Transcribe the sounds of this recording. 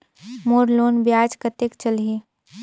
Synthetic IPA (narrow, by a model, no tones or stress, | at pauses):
moːɾloːnbjaːd͡ʒkət̪ekt͡ʃəlii